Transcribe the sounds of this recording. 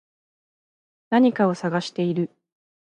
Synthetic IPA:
naɲ̟ikao̞saɡaɕi̥t̪e̞iɾɯ̟

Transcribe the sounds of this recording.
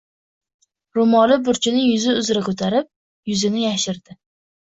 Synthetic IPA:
ɾʊmɒlɪbʊɾt͡ʃʰɪnɪjʊzɪʊzɾakʰɵt̪ʰaɾɪp̚ | jʊzɪnɪjaʃɪɾd̪̥ɪ

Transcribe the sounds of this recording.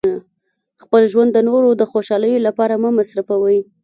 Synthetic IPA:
xpəlʒwand̪ːənoɾod̪əxoʃɑləjolapɑɾamamasɾafawəj

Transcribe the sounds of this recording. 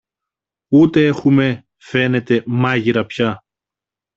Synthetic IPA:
ut̪e̞exume̞ | fe̞ne̞t̪e̞mɐʝiɾɐpçɐ

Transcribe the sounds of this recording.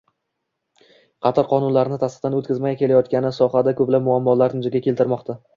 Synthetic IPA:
qʰɑt̪ʰɒɾqʰɒnʊnlaɾɪnɪt̪ʰasqt̪anot̪̚kʲɪzmaɡʲakʲʰe̞lajɒt̪kʲanɪsɒhad̪akʰɵblap̚mʊamːɒlaɾnɪd͡ʒ̪aɡʲakʲelt̪ɪɾmɒqt̪ʰa

